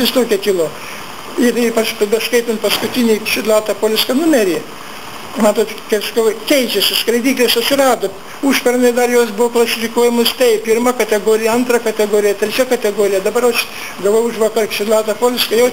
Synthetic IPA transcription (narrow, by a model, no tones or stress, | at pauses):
ɪst̪oːkʲɛkʲɪlˠoː | ɪripɐt͡ʃpbʲɛskɐɪt̪ʲɪnpɐskʊt̪ʲɪnʲiːʃʲɪd̪lʲˠɑːt̪ɐpoːlʲɪskɐnʊmʲɛɾʲi | mɑːt̪oːt̪kɐɪsɐkɐʊkʲɛɪt͡ʃʲɛsʲɪskɾɐɪd̪ʲiːklʲɪsɐtʲsʲɪrɑːd̪oː | uːʃʲpʲɛrnɐɪd̪ɐrjoːsbʊʋoklˠɐsʲɪfʲɪkoːjɛmost̪ʲɛɪppʲɪrmɐkɐt̪ʲɛɡoːɾʲɪjɛɐnt̪rɐkɐt̪ʲɛɡoːɾʲɪjɛt̪ʲɾʲɛt͡ʃʲɛkɐt̪ʲɛɡoːɾʲɪjɛd̪ɐbɐɾɐʃ | ɡɐʋoːjʊʃʋɐkɐrkʃʲɪd̪lˠɑːt̪ɐpoːlʲɪskɐjɛʊ